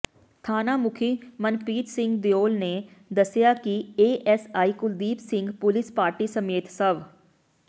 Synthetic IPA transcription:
t̪ʰaːnamʊkʰimɐnpiːt̪sɪ̃ŋɡd̪joːlned̪ɐsjakieːʔɛsaːikʊld̪iːpsɪ̃ŋɡpʊlɪspaːɾʈisɐmeːt̪sɐʋ

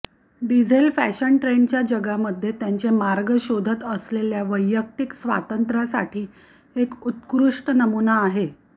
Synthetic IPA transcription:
ɖid͡zʱelfæɕəɳʈɾeɳt͡ɕjad͡ʑəɡaməd̪ʱːjet̪jaɲt͡semaɾɡəɕod̪ʱət̪əsleljaʋəjːək̚t̪iksʋa̰t̪ənt̪ɾasa̰ʈʰiː | ekut̪kɾuʂʈnəmunaːɦe

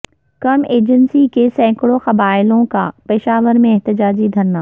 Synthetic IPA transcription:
kɐmeːd͡ʑənsikesɛ̃ːkɽoxɐbaːɪlõka̰pɪʃaːʋəɾmẽɛɦt̪ɪd͡ʑaːd͡ʑid̪ʱɐɾnaː

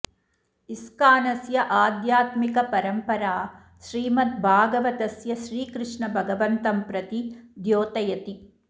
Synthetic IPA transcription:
iskaːnɐsjɐʔaːd̪jaːt̪mikɐpɐɾɐmpɐɾaː | ʃɾiːmɐt̪̚bʱaːɡɐʋɐt̪ɐsjɐʃɾiːkɾɪʂɳɐbʱɐɡɐʋɐnt̪ɐmpɾɐt̪id̪joːt̪ɐjɐt̪i

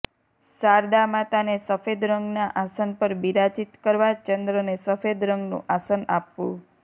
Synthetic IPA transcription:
saɾd̪amat̪anesəfed̪ɾəŋɡnaʔasənpəɾbiɾat͡ʃit̪kəɾʋat͡ʃənd̪ɾənesəfed̪ɾəŋɡnṵ̃ʔasənapʋũ

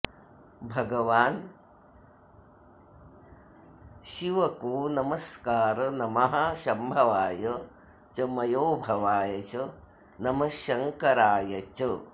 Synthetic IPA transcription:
bʱɐɡɐʋaːn | ʃiʋɐkuːnɐmɐskaːɾɐnɐmɐɦɐʃɐmbʱɐʋaːjɐ | t͡ʃɐmɐjoːbʱɐʋaːjɐt͡ʃɐ | nɐmɐʃɐŋkɐɾaːjɐt͡ʃɐ

